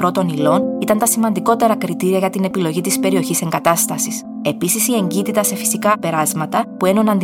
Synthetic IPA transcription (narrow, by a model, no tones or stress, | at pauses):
pɾo̞t̪o̞nilo̞nit̪ɐnt̪ɐsimɐnd̪iko̞t̪e̞ɾɐkɾit̪iɾiɐʝɐt̪ine̞pilo̞ʝit̪ispe̞ɾio̞çise̞ŋɡɐt̪ɐst̪ɐsis | e̞pisisie̞ɲɟit̪it̪ɐse̞fi̥sikɐpe̞ɾɐzmɐt̪ɐpue̞nonɐnd̪